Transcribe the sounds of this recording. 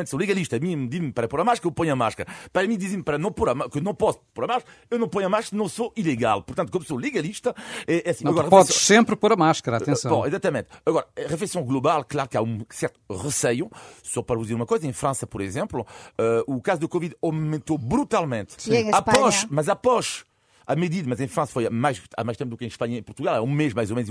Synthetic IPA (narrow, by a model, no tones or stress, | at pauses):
mẽt̪solˠɨɣɐlˠiʃt̪ɐːmĩmd̪izmpɐɾɐpoɾɐmaʃkɐɾɐewpõɲɐmaʃkɐɾɐpɐɾɐmĩd̪iziɾmpɐɾɐnɐ̃w̃poɾɐmakewnɐ̃w̃pɔsu̥poɾɐmaʃkɐɾɐewnɐ̃w̃poɲɐmaʃkɐɾɐnɐ̃w̃soilˠɨɣa̰lˠpuɾt̪ɐ̃t̪kɐ̃d̪solˠɨɣɐlˠiʃt̪ɐɛʔɛɐsĩnɐɣɔɾɐʁfɛɔðssẽmpɾpoɾɐmaʃkɐɾɐaẽsɐ̃wbõizat̪ɐmẽnt̪ɐɣɔɾɐʁɨflɛjsɐ̃w̃ɡlˠuβalˠklˠaɾukaũsɛɾt̪u̥ʁɨsɛjusɔpɐɾɐvuzeɾumɐkojzɐẽj̃fɾɐ̃sɐpɔɾizẽmplˠuɛukazuðɐkɔviðammẽnt̪obɾut̪alˠmẽnt̪ppɔzmɐzapɔʃ | amɨðiðɐmɐzẽj̃fɾɐ̃sɐ̥fojmajʃa̰majʃt̪ẽpud̪ukẽj̃ʃpɐɲɐẽpuɾt̪uɣalˠɛũmeʒmajzɔmenz